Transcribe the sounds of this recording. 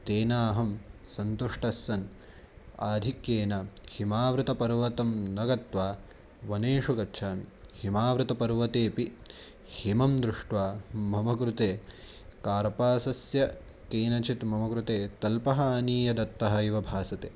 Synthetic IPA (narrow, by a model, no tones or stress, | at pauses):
t̪eːnaːɦɐmsɐnt̪uʂʈɐsːɐn | aːd̪ʱikjeːnɐhimaːʋɾut̪ɐpɐɾʋɐt̪ɐmnɐɡɐt̪ʋaː | ʋɐneːʂukɐtːʃʰaːmihimaːʋɾut̪ɐpɐɾʋɐt̪eːpi | himɐmd̪ɾuʂʈʋaːmːɐmɐkɾut̪eː | kaːɾpaːsɐsjɐ | keːnɐt͡ʃit̪mɐmɐkɾut̪eːt̪ɐlpɐɦaːniːjɐd̪ɐt̪ːɐɦɐiʋɐbʱaːsɐt̪eː